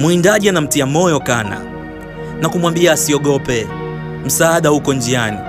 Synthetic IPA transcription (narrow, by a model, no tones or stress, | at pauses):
muindaʄianam̩tiamɔjɔkana̰ | nakumwambiaːsiɔɠɔpɛ | m̩saːɗahukɔnd͡ʒiani